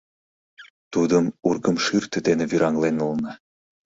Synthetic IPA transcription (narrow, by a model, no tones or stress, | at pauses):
t̪ud̪əmurɣəmʃyrt̪ə̆d̪enĕβyɾɑŋlenulnɑ